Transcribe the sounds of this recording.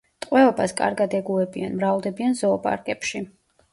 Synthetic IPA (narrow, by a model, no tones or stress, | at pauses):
t̪ʼqʼwɛɔbaskʼa̰ɾɡad̪ɛɡuɛbianmɾavlˠd̪ɛbianzɔːpʼa̰ɾkʼɛpʃi